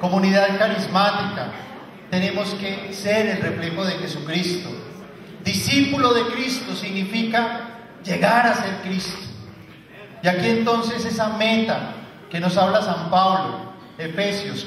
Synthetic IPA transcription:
ko̞muniðaðkaɾizmat̪ika̰ | t̪e̞ne̞mo̞ske̞se̞ɾe̞lre̞fle̞xo̞ðe̞xe̞sukɾist̪o̰ | d̪isipulo̞ðe̞kɾist̪osiɣnifika | d͡ʒe̞ɣaɾase̞ɾkɾist̪o̥ | iakie̞nt̪o̞nse̞se̞same̞t̪a | ke̞no̞saβlasampaβlo̰ | efe̞sjos

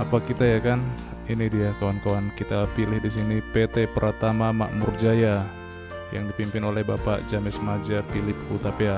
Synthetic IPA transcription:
apakit̪ajakan | inidijakawankawankit̪apilɪhdis̬inipet̪epəɾʔat̪amama̰ʔmurd͡ʒaja | jaŋdipimpɪnolɛhbapa̰ʔd͡ʒamɛsmad͡ʒafilɪp̚kut̪apia

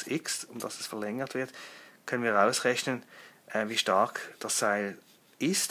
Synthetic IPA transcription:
sɪksʊmd̥ɑsɛsfɛɐlɛŋəʁtv̥ɪɐtkʰœnənviːɐʁaʊsʁɛçnənʔɛviːʃtɑɐkd̥ɑsːaɪl | ɪst

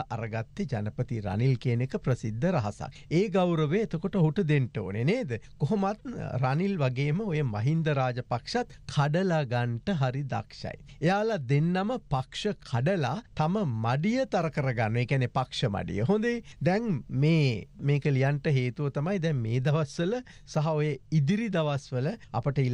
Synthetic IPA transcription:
ʔaɾəɡat̪ːed͡ʒanəpət̪iɾa̰nilkeːnekəprəsid̪ʱːəɾaɦasa̰keːɡawɾəʋeet̪əkoʈəoɦuʈəd̪eɳʈəo̰ːneneːd̪əkoɦomat̪̚ɾanilʋaɡeːməojəmaɦind̪əɾaːd͡ʒəpakʂat̪kʰaɖəlaɡaɳʈəɦaɾid̪a̰kʂa̰jejaːlad̪enːaməpakʂəkʰaɖəlaːt̪aməmaɖijət̪aɾəkəɾəɡanːueːkianepakʂəma̰ɖḭjə̰ɦond̪ed̪ɛŋmeːmeːkəlijaɳʈəɦeːt̪uʋət̪amajd̪ɛŋmeːd̪ɐʋasʋələ | saɦaojəid̪iɾid̪aʋasʋələa̰pəʈəil

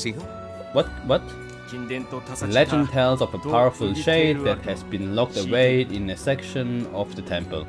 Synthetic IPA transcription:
wʌt̚wʌt | lɛd͡ʒə̃ntʰalzɔvəpʰaʊəfəlˠʃeɪd̚ðɨt̚hɨzbĩnlɔk̚təweɪɪ̃nɨsɛkʃə̃nɔvðətʰɛ̃mpə̰lˠ

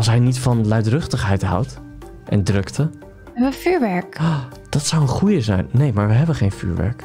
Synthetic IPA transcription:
ɑlˠs̬ɦɛjnitfɑnlœɥtrɵχtəχɦɛjtɦʌ̰wt | ʔɛ̰ndrɵktə | ɛbʋəfyːɹʋɛɹkja | d̥ɑtsʌwənχujəzɛjnːejmaːɹʋəɦɛbəχejnfy̰ːɹʋɛ̰ɹk

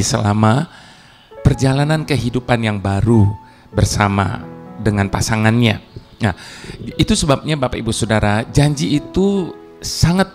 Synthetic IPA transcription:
səlama | pərd͡ʒalanankəɦidupanjaŋbaɾu | bərsama̰dəŋanpasaŋanɲa | nait̪usəbap̚ɲabapaibusodaɾad͡ʒaɲd͡ʒiːt̪u | saŋat̪̚

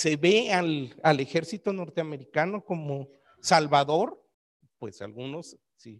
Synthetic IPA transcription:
se̞βealalexe̞ɾsit̪o̞no̞ɾt̪eame̞ɾikano̞ko̞mo | salβaðo̞ɾ | pwe̞̰sa̰lɣuno̞s | si

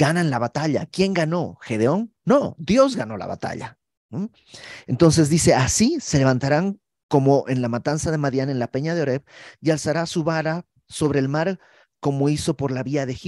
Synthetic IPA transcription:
ɡ̥ananlaβat̪aʎa̰kje̞ŋɡano̞xe̞ðeo̞nːo̞d̪jo̞zɡano̞la̰βa̰t̪a̰ʎa̰ | no | ent̪o̞ns̬e̞zðise̞asise̞le̞β̞ant̪aɾaŋ | ko̞mo̞ʔenlamat̪ansað̞e̞maðjane̞nlape̞ɲað̞eo̞ɾe̞βialsaɾasuβaɾa | so̞βɾe̞ːlmaɾ | ko̞mo̞iso̞po̞ɾlaβiaðe̞xi

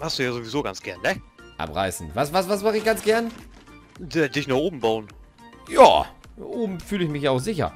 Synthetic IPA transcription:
hasd̥uːjaːzoːvizoːɡant͡sɡ̥ɛɐnnɛʔa̰pʁa̰ɪsn̩vasvasvasmaχɪçɡ̥ant͡sɡ̥ɛɐn | dɛdɪçnaχʔoːbm̩baʊn | ja̰ːʔoːbm̩fyːlɪçmɪçjaaʊxz̥ɪçɐ̰

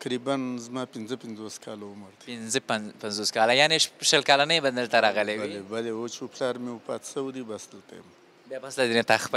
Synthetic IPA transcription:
kɾibanzmɑpɪnzəpɪnzoskʰɑlaʊməɾd̪ɪnzəpanpanzoskɑlajɑneʃəlkɑlanəjband̪əlt̪aɾɑɣəlewlebalewot͡ʃeplɑɾmepɑ̰t̪səwid̪ibasd̪əlt̪a̰jə̰m | bjɑbaslad̪enet̪axp

